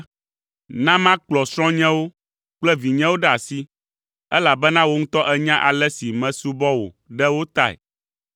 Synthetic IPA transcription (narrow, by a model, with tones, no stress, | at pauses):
nã˦mã˦k͡plɔ˨sɾ̃ɔ̃˦ɲɛ̃˦wo˦ | k͡plɛ˦vi˨ɲɛ̃˦wo˦ɖɛ˦a˨si˦ | ɛ˦la˨bɛ˦nã˦wo˦ŋũ˦t̪ɔ˦ʔɛ˦ɲã˦ʔa˨lɛ˦si˨mɛ̃˨su˦bɔ˦wo̰˨ | ɖɛ˦wo˦t̪a˦ɛ̰˨